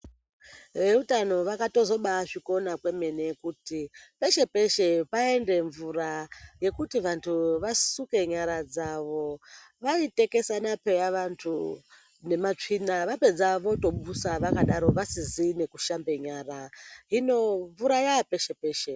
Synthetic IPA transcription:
ʋe̞utano̞ʋakato̞zo̞ɓaʐiko̞nakwe̞me̞nekutipe̞ʃe̞pe̞ʃe̞pae̞nde̞ɱvuɾaje̞kutiʋantʰuʋasuke̞ɲaɾad͡zaʋo̞ | ʋaite̞ke̞sanape̞jaʋantʰu | ne̞mat͡ʂinaʋape̞d͡zaʋo̞to̞ɓusaʋakaɗaɾo̞ʋasizine̞kuʃambe̞ɲaːɾaɦino̞ɱvuɾajape̞ʃe̞pe̞ːʃe

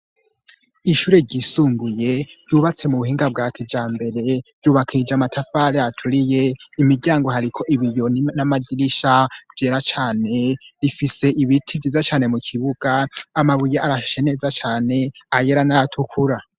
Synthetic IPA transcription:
iʃuːɾe̞ɾɟisuːŋɡuje̞ɾjuːβat͡se̞muβuhiːŋɡab̚ɡaːkʰid͡ʒaːmbe̞ɾe̞v̥juːβakʰid͡ʒamatʰafaɾeatʰuɾije̞imiɟaːŋɡo̞ɦaɾikʰo̞ʔiβijo̞nnamadiɾiʃav̥jeːɾat͡ʃaːne̞ɾifise̞ʔiβitʰivizat͡ʃaːne̞mukʰiβuɡ̥aːmaβujeaɾaʃe̞ne̞zat͡ʃaːne̞ajeɾanatʰukʰuɾa

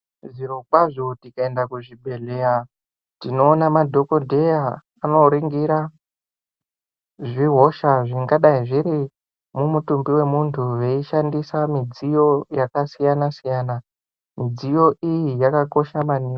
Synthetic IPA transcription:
ʐiɾokwaʐo̞tikae̞ndakuʐibʱe̞ɮe̞ja | tino̞ːnamadʱo̞ko̞dʱe̞ja | ano̞ɾiŋɡiɾa | ʐiɦo̞ʃaʐiŋɡaɗaiʐiɾi | mumutumbiwe̞muntʰuʋe̞iʃandisamid͡zijo̞jakasijanasijaːna | mid͡zijo̞ʔijijakako̞ʃamania

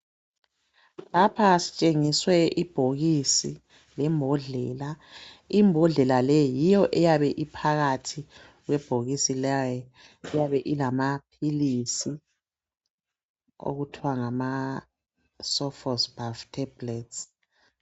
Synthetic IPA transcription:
lapʰasi̥t͡ʃʼeŋiswɛʔib̥ʱoɣisi | lɛmbʱɔɮɛlaimbʱɔɮɛlalɛjijɔʔɛjaβɛʔipʰaɣatʰi | ɣwɛb̥ʱoɣisilajɔ | ɛjaβɛʔilamapʰilisi | o̰ɣutʰiwaŋama | sɔfɔsb̥ʱaftʰɛb̥lɛts

